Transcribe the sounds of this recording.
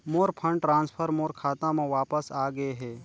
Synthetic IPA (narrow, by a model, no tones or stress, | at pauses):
moːɾpʰə̃ɳɖʈɾãːnspʰəɾmoːɾkʰaːt̪ãmẽʋaːpəsaːɡəeɦɛː